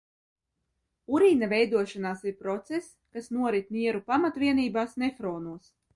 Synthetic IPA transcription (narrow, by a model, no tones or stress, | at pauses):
uɾiːnavʲɛjd̪uɔʃanaːsiɾpɾɔt̪ses | kasnuɔɾit̪̚niɛɾupamat̪vʲiɛniːbaːsnɛfɾɔːnuɔs